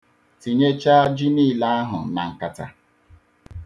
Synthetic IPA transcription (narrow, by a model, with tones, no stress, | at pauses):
ti˨ɲe˦t͡ʃa˦a˦d͡ʒi˦niː˦˨la˦a˦ɦʊ˨na̰˨ŋ̩˨ka˨ta̰˦